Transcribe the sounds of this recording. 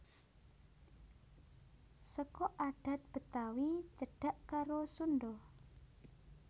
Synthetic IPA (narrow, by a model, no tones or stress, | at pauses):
səkɔʔaɖ̥a̤t̪̚b̥ə̤t̪awit͡ʃəɖ̥a̤ʔkaɾosunɖɔ